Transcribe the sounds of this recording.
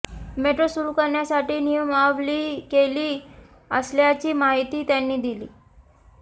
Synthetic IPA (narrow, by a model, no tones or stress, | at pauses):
meʈɾosuɾuːkəɾɳjasaʈiːnijəmaʋliːkeliː | əsljat͡ɕiːmaɦit̪iːt̪janːiːd̪iliː